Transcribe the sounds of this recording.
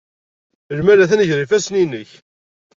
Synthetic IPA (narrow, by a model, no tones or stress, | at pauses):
lmælæθænəʝɾifæsninːəç